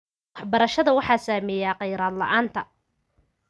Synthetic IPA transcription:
ħbɐɾɐʃɐðɐwɑħɑːsaːmɛjaːqɑjɾaːd̪lɐ̰ʔaːnt̪ʰɐ

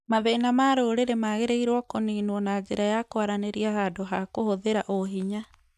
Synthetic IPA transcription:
maðenamaɾoːɾeɾemaːɣeɾeiɾwɔkoniːnwɔnad͡ʑeɾajakoaɾaneɾiahadoɦakohoðeɾaʔoɦiɲa

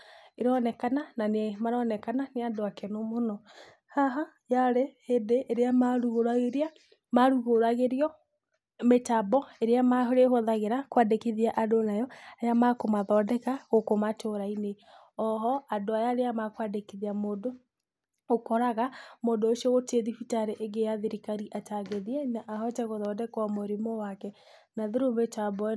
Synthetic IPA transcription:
eɾɔnɛkanananemaɾɔnɛkananeadoakenomonɔ | haɦa | jaɾehedeʔːɾeamaɾuɣoɾaɣeɾia | maɾuɣoɾaɣeɾiɔ | metabɔeɾeamaɦoɾehoðaɣeɾakwadekiðiaʔadonajɔajamakomaðɔdɛkaɣokomatoɾaine | ɔɦɔadoajaɾeamakwadekiðiamoːdo | okɔɾaɣamoːdoosiɔɣoteðifitaɾeʔeɡejaðeɾikaɾiʔataɡeðiɛnaʔːɦɔtɛɣoðɔdɛkwamoɾimowakɛ | naðeɾometabɔ

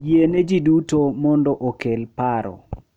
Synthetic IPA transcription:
jened͡ʒidutomɔndɔʔokelpaɾɔ̰

